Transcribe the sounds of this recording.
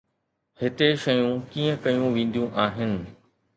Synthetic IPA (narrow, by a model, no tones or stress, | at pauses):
hɪt̪eʃɐjũkiːə̃kɐjũʋẽːn̆d̪ijũʔaːɦɪnɪ̆